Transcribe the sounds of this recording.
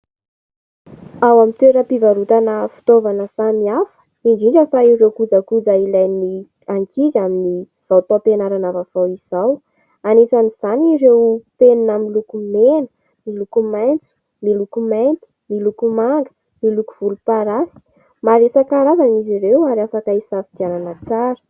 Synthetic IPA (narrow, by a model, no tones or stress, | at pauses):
awamint̪weɾəpivaɾut̪anəfi̥t̪ovanəsamiafə̥ | iɳd͡ʒiɳɖ͡ʐəfaiɾewkud͡zakud͡zailajni | aŋkʰizamini | z̥awt̪openaɾanavafawiz̥aw | anesaniz̥aniɾewpeninaminlukumenə̥ | milukumajnt͡su̥ | milukumajnt̪i̥milukumaŋɡə̥ | miluku̥v̥ulupaɾasi̥ | maɾesakaɾavaniziɾewaɾafakaisafi̥t̪ananat͡saɾə̥